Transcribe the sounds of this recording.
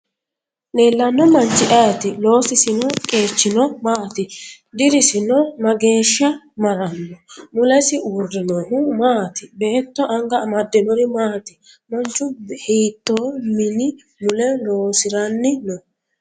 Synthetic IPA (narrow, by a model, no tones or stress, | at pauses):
neːlːɐnːɔmɐnt͡ʃːɪʔɐjt̪ɪlo̞ːsɪsɪnɔkʼe̞ːt͡ʃːɪnɔmaːt̪ɪ | d̪ɪɾɪsɪnɔmɐɡe̞ːʃːɐ | mɐɾɐnːɔmʊlɛsɪʊɾdɪnɔɦʊmaːt̪ɪbɛʔɛt̪ːɔʔɐŋɡɐmɐd̪ːɛnɔɾɪmaːt̪ɪ | mɔnt͡ʃːʊhiːt̪ːoːmɪnɪ | mʊlɛloːsɪɾɐnːɪnɔ